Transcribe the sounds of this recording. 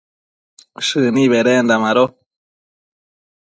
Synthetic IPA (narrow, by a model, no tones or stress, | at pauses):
ʃɨnĩβeɾend̪amãɾo